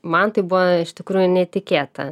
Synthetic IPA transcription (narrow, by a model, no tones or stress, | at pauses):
mɐnt̪ɐɪbʊʋoɪʃʲt̪ʲɪkɾuːjʊnʲɛt̪ʲɪkʲeːt̪ɐ̰